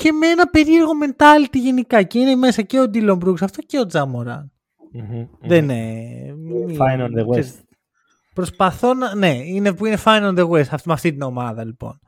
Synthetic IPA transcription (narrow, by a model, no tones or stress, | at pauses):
ce̞meenɐpe̞ɾieɾɣo̞me̞nt̪ɐlit̪iʝenikɐce̞ine̞me̞sɐce̞o̞d̪ilo̞mbɾuksɐft̪o̞ce̞o̞d͡zɐmoɾɐ̰n | ðene | inɐd̪ewses | pɾo̞spɐθo̞nɐne̞inepuine̞fɐjnɐnd̪eɣwesɐfmɐft̪it̪ino̞mɐðɐlipo̞̰n